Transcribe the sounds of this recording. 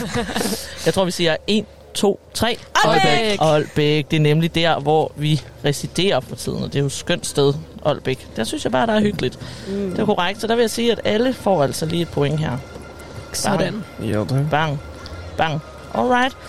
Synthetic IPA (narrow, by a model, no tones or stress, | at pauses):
jɑ̈ɪt͡sʰʁo̰ʋisiːɐe̝ːn | t͡sʰo̝̰ːt͡sʰʁɛ̰ːɒlb̥eɒl̰b̥eɡ̥̚d̥e̝ɐnemlid̥æɐ̰ʋɒʋiʁɛsid̥e̝̰ːɐfʁɑ̈t͡sʰḭð̞̰ˠn̩ɒ̽d̥e̝jo̥sɡ̥øn̰d̥sd̥eð̞ˠʔɒ̽l̰b̥eɡ̥d̥æɐsynsjɑɪbɑ̈ːɾ̥ɑ̈æɐɦyɡ̥əlid̥d̥eɐkʰoʁɑ̈ɡ̥d̥sɒ̽d̥ɑ̈ʋe̝jaɪsiːæd̥æləfɒ̰ːæl̰sɒliːe̝d̥̚pʰo̽eŋ̰ɦæɐ̰̥ | b̥ɑŋ | b̥ɑ̈ŋ | ʔɒlʁɑ̈ɪd̥